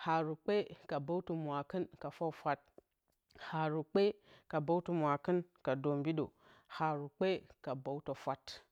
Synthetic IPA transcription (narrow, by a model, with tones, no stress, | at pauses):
ha˨ɾu˨k͡pe˦ka˨ba˦u˦tu˨mʷ˨a˨kə˦nka˨fa˦fa˦t̚ | ha˨ɾu˨k͡pe˦ka˨ba˦wtu˨mʷ˨a˨kə˦nka˨do˨mbi˦ɗo̰˨ | ha˨ɾu˨k͡pe˦ka˨ba˦u˦to˨fa˦t